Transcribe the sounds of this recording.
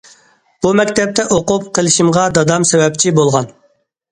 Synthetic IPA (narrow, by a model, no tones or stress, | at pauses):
b̥umɛkʲt̪ʰɛp̚t̪ʰɛʔoqʊp̚qʰəlˠɪʃimʁɑd̪ɑd̪ɑmsɛwɛp̚t͡ʃʰibolˠʁɑn